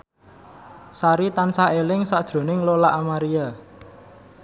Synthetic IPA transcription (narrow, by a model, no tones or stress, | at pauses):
saɾit̪ansaelɪŋsad̥ʒ̥ɾo̤nɪŋlolaʔamaɾia